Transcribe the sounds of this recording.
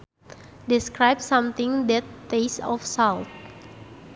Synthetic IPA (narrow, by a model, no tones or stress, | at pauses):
diskɹajb̚sãmt̪ĩŋdɛt̪ːesɔfsalt̪̚